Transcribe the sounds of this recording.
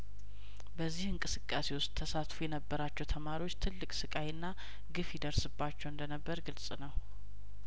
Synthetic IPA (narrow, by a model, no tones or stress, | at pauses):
bəzːihɨŋkʼɨsɨkʼːase̞wʊst̪̚ʼt̪ʰːəsat̪fujɛnəbːəɾat͡ʃːɛwt̪ʰəmaɾiwo̞t͡ʃːt̪ʰɨlːɨkʼsɨkʼajɨnːa | ɡɨfjɛd̪əɾsɨbːat͡ʃːɛwɨnd̪ənəbːəɾɡɨlsʼnəw